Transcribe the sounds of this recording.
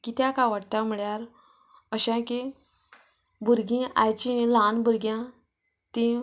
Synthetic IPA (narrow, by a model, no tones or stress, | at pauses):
kit̪jãkaʋaʈt̪ãm̤iɭjaɾ | əɕãki | bʱuɾɡĩa̰jt͡ɕĩlanbuɾɡjã | t̪ĩ